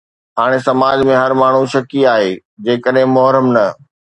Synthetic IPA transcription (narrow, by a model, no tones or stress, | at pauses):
ɦaːɽ̃esɐmaːd͡ʑmẽɦɐɾmaːɳ̤ũʃɐkiaːɦeː | d͡ʑeːkəɗɦɪ̃mʊɦɾəmnɐ